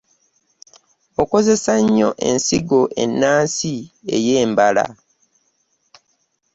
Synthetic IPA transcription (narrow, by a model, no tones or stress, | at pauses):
oko̞ze̞saɲːo̞̰ʔe̞̰nsiɡoʔe̞nːaːnsie̞̰jeːmbala̰